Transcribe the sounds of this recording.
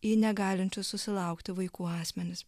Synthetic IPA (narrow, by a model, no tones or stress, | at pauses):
iːnʲɛɡɑːlʲɪnʲt͡ʃʲʊssʊsʲɪlˠɐʊkt̪ʲɪʋɐɪkuːɑːsʲmʲɛnʲɪs